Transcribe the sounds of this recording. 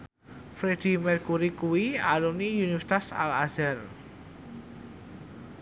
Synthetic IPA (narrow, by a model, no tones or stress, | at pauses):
fɾed̪̥i̤mɛrkuɾikuwialunijuniɛst̪asa̰laz̥ɛr